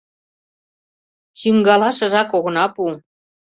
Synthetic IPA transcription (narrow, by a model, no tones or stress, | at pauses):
t͡ɕiŋɡɑlɑʃɤ̆ʒɑkoɣɤ̆nɑpu